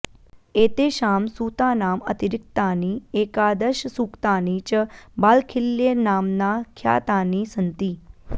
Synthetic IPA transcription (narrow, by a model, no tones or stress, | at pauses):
eːt̪eːʃaːmsuːt̪aːnaːmət̪iɾɪk̚t̪aniːeːkaːd̪əʃsukt̪aːnit͡ʃəbaːlkʰɪlːenaːmnaːkʰja̰ːt̪aːniːsənt̪iː